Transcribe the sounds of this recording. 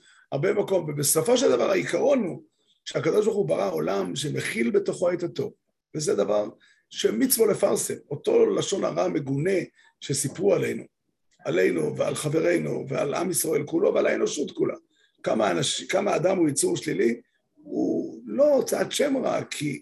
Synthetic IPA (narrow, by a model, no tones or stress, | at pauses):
haʁbemako̞mvebeso̞fo̞ʃeld̪ava̰ʁhaikaʁo̞nu | ʃeakad̪o̞ʃ̬baʁχubaʁao̞lamʃeneχilbet̪o̞χoaet̪at̪o̞v | vezed̪avaʁ | ʃe̞mit͡svo̞le̞faʁsemo̞t̪o̞laʃo̞na̰ʁame̞ɡune̞ | ʃesipʁuale̞jnu | ale̞jnuvea̰lχave̞ʁe̞jnṵvea̰la̰misʁae̞lkulo̞va̰laeno̞ʃut̪kulʔa̰ | kamanaʃkamaːd̪amujit͡suʁʃlili | ṵlo̞t͡sad̪ʃe̞mʁa̰kʰi